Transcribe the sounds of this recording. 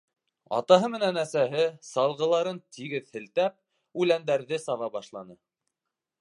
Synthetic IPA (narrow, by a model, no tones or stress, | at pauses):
ɑ̰t̪ɑɦɤmɘ̆nænæsæɦɘsɑlˠʁɤ̆lˠɑɾɤnt̪ʰiɡɘðhɘ̆lt̪æp̚ | ʉlænd̪æɾðɘsɑvɑbɑʃlˠɑnɤ